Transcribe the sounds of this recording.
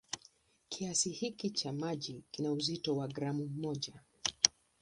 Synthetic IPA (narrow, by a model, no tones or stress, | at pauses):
kʰiasihikit͡ʃamaʄikinauzitɔwaɡɾamummɔʄa